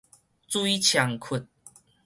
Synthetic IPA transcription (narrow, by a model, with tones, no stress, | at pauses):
t͡sui˦t͡ɕʰja˨˦ŋkʰʊ˨˩t̚